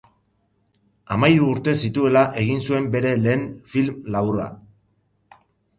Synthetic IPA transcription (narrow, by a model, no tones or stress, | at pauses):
amajɾuːɾt̪e̞sit̪ue̞laʔe̞ɣ̞insue̞mbe̞ɾe̞le̞ːnfilmlaβuɾa̰